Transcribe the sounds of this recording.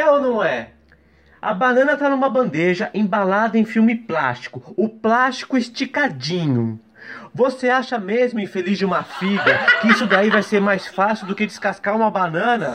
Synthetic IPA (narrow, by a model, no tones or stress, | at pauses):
ewnɐ̃w̃ɛ | ɐ̰banɐ̃nɐt̪anũmɐbɐ̃nd̪eʒɐʔẽbalad̪ɐẽj̃fiwmɪpla̰st͡ʃi̥kʊʊplast͡ʃi̥kʊɪst͡ʃikad͡ʒĩɲʊ | voseaʃɐmezmʊĩfelizd͡ʒɪũmɐfiɡɐkɪisʊd̪aivajseɾmajsfasiwd̪ʊkɪd͡ʒɪskaskaɾũmɐbanɐ̃nɐ